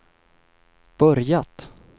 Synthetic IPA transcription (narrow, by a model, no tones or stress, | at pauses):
b̥œɾjat̪